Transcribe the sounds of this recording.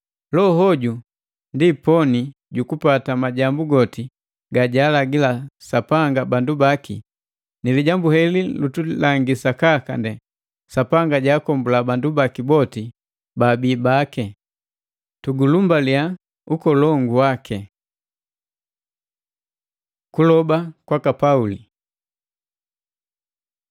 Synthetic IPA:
lɔɦɔɟu | ndipɔni | ɟukupatamaɟambuɡɔti | ɡaɟaːlaɡilasapaŋɡabandubakḭ | niliɟambuhɛlilutulaŋɡisakakandɛ | sapaŋɡaɟaːkɔmbulabandubakibɔti | babiːbakɛ | tuɡulumbalia | ukɔlɔŋɡuwakʰɛ | kulɔbakwakapauli

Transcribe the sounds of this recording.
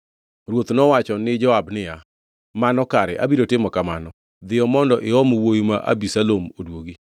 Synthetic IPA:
rwot̪nɔwat͡ʃɔnɪd͡ʒɔabnɪja | manɔkaɾɛʔa̰biɾotɪmɔkamanɔ | d̪ɪɔmɔndɔʔɪɔmwojimaʔa̰bisalomodwoɡi

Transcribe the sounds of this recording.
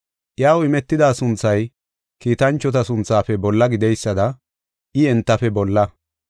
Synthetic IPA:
ʔjaːwɪmɛt̪ːɪd̪aːsʊnt͡sːɐj | kiːt̪ɐnt͡ʃːɔt̪ɐsʊnt͡sːaːfɛbɔlːɐɡɪd̪ɛjsːɐd̪ɐ | ʔɪɛnt̪ːɐfɛbɔlːɐ

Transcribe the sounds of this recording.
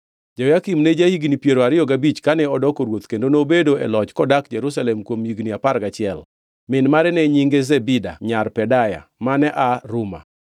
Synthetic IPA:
d͡ʒɔjakimned͡ʒahiɡnipjeɾoaɾɪjɔɡabit͡ʃkanɛɔdɔkoɾwot̪kendonobedoɛ̰lɔt͡ʃkɔdakd͡ʒɛɾusalɛmkwomjiɡniapaɾɡat͡ʃɪɛl | mɪnmaɾɛnɛɲiŋɡezebida̰ɲarpɛdaja̰manɛʔaɾuma̰

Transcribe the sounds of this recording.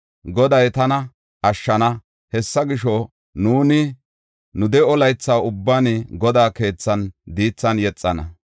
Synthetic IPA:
ɡɔd̪ɐjt̪ɐnɐ | ʔɐʃːɐnɐ | hɛsːɐɡɪʃɔ | nuːnɪ | nʊd̪ɛɔlɐjt͡sːaːʊbːaːnɪɡɔd̪aːke̞ːt͡sːɐnd̪iːt͡sːɐnjɛt͡sʼːɐnɐ̰

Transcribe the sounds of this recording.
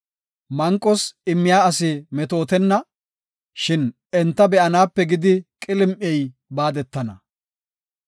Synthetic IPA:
mɐŋkʼːɔsɪmːɪjaːɐsɪmɛt̪o̞ːt̪ɛnːɐ | ʃɪn | ɛnt̪ːɐbɛʔɐnaːpːɛɡɪd̪ɪkʼɪlɪmʔɪɛj | baːd̪ɛt̪ːɐnɐ

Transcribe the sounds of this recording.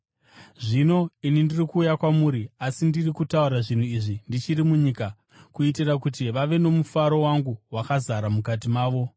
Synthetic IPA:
ʐino̞inindirikuːjakwamuːɾiasindirikutauɾaʐin̤uiʐindit͡ʃirimuɲiːka | kuit̬irakutiʋaʋe̞no̞mufaɾo̞waŋɡuwakazaɾamukat̬imaːʋo̞

